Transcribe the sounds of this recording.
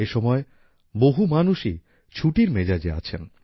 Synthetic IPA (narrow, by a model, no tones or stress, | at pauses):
eʃɔmɔe | boɦumanuʃi | t͡ɕʰuʈiɾmed͡ʑad͡ʑea̰t͡ɕʰen